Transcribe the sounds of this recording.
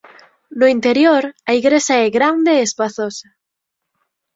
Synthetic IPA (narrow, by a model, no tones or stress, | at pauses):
nʊint̪eɾjoɾaiɣɾesaɛɣɾand̪eːspaθosa